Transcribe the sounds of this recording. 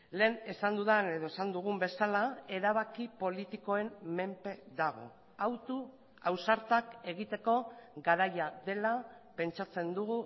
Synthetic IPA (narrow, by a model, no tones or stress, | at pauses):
le̞ːnesand̪uðane̞ð̞o̞e̞sand̪uɣ̞umbe̞salae̞ɾaβakipo̞lit̪iko̞e̞mme̞mpe̞ðaɣ̞o̞̰ | awt̪u | awsaɾt̪ake̞ɣ̞it̪e̞ko̞ɡaɾajaðe̞lape̞nt͡ʃat͡se̞nd̪uɣu